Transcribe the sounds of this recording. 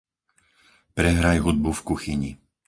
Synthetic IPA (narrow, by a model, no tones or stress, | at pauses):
pɾɛɦɾajɦud̪̚bufkuxiɲḭ